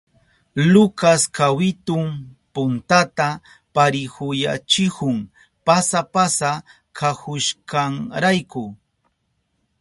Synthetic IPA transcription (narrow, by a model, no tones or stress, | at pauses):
lʊkaskawɪt̪ʊmpʊnt̪at̪a | paɾɪhʊja̰t͡ʃɪhʊŋ | pasapasa | kʰahʊʃkaŋɾajkʊ